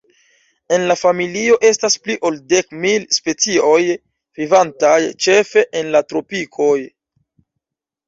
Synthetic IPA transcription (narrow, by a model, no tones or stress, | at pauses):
e̞nlafamilio̞ʔe̞staspliʔo̞lde̞kmilspe̞t͡sio̞j | vivantajt͡ʃe̞fe̞ʔenlatɾo̞pikʰo̞j